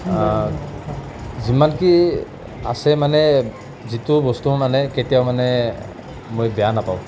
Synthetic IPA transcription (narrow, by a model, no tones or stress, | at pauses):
zimanki | a̰sɛmanɛ | zitʊbɔstumanɛketijawmanɛ | mojbɛjanapaw̃